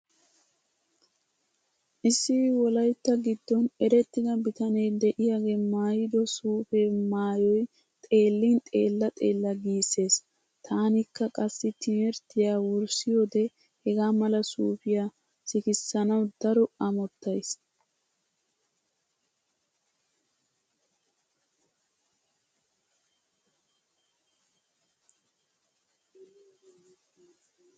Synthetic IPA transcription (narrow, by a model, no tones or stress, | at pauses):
ʔɪsːɪwɔlɐjt̪ːɐɡɪd̪ːɔnɛɾɛt̪ːɪd̪ɐbɪt̪ɐneːd̪ɛʔɪjaːɡe̞ːmaːjɪd̪ɔsuːfeːmaːjɔj | t̪ʼe̞ːlːɪnt̪ʼe̞̰ːlːɐt̪ʼe̞̰ːlːɐɡiːse̞ːs | t̪ʰaːnɪkːɐkʼɐsːɪt̪ʰɪmɛɾt̪ːɪjaːwʊɾsɪjoːd̪ɛ | hɛɡaːmɐlɐsuːfɪjaː | sɪkɪsːɐnɐwd̪ɐɾɔɐmɔt̪ːɐjs